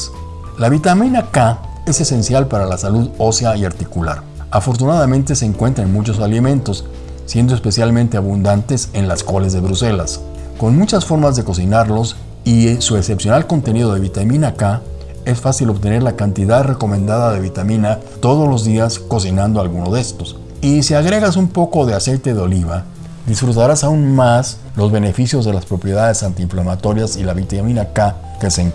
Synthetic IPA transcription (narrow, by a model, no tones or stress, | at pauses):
laβit̪amĩnaka | e̞sese̞nsjalpaɾalasaluðo̞sjaiaɾt̪ikula̰ɾ | afo̞ɾt̪̬unaðamẽnt̪e̞se̞ːŋkwe̞nt̪ɾaenmut͡ʃo̞s̬alimẽ̞nt̪o̞s | sje̞nd̪oe̞spe̞sjalmẽnt̪e̞aβund̪ant̪ese̞nlasko̞le̞zðe̞βɾuse̞las | ko̞nmut͡ʃasfo̞ɾmazðe̞ko̞sinaɾlo̞s | isue̞se̞psjo̞nalko̞nt̪e̞niðo̞ð̞e̞βit̪amĩnaka | e̞sfasilo̞βt̪ene̞ɾlakant̪iðaðre̞ko̞mẽnd̪aðaðe̞βit̪amĩna | t̪o̞ð̞o̞zlo̞zðiasko̞sinãnd̪oalɣunoðe̞st̪o̞s | isiaɣɾe̞ɣasumpo̞ko̞ðe̞ase̞jt̪e̞ðeo̞liβa | d̪isfɾut̪aɾasaunmas | lo̞zβe̞ne̞fisjo̞zðe̞laspɾo̞pɾje̞ðaðe̞sant̪iɱflamat̪o̞ɾjasilaβit̪amĩnaka | keseŋ